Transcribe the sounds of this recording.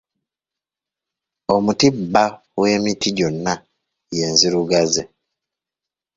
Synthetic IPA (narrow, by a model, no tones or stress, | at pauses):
omutibːa | we̞mitiɟonːa | jeːnziɾuɡaze